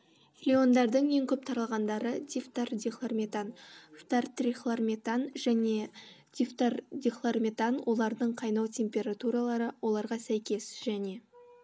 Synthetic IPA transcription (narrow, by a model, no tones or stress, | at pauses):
lʲio̞nd̪ɑɾd̪əɴjeŋkʲʰɵp̚t̪ʰɑɾɑlˠʁɑnd̪ɑɾəd̪ʲift̪ard̪ʲixlˠarmʲet̪anft̪art̪rʲiχlˠarmʲet̪anʒæne̞d̪̥ʲift̪ard̪ʲixlˠarmʲet̪anwʔo̞lˠɑɾd̪əɴqʰɑjnɑwt̪ʲʰe̞mpʲe̞ɾat̪uɾɑlˠɑɾəwo̞lˠɑɾʁɑsæjkʲe̞sʒ̥æne̞